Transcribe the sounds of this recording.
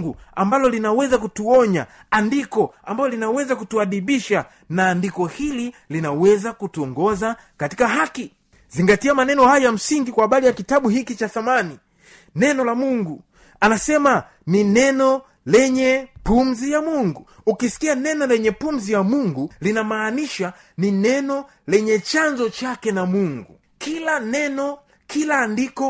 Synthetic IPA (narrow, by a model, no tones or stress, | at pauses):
ɡuambalɔlinawɛzakutuɔɲa̰ | andikɔambajɔlinawɛzakutuaɗiɓiʃa | naːndikɔhililinawɛzakutuɔŋɡɔza | kati̥kaɦaki | ziŋɡatiamanɛnɔhajam̩siŋɡikwaːɓalijakitaɓuhikit͡ʃaθamani | nɛnɔlamuŋɡu | anasɛma | ninɛnɔ | lɛɲɛpumzijamuŋɡu | ukisi̥kianɛnɔlɛɲɛpumzijamuŋɡulinamaːniʃa | ninɛnɔ | lɛɲɛt͡ʃanzɔt͡ʃakɛnamuŋɡu | kilanɛnɔ | kʰilandikɔ